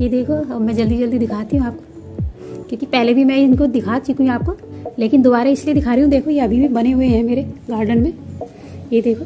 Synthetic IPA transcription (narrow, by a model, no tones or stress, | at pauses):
jed̪eːkʰomɛ̃ːd͡ʒɐld̪id͡ʒɐld̪id̪ɪkʰaːt̪iɦũaːp̚ko̥ | kjõːkipɛɦlebʱimɛ̃ɪnkod̪ɪkʰaːt͡ʃɪkũaːp̚koleːkɪnd̪oːbaːɾaɪslied̪ɪkʰaːɾiɦũd̪eːkʰojeɐbʱibʱibɐneɦʊeɦɛ̃meːɾeɡaːɾɖənmẽː | jed̪eːkʰoː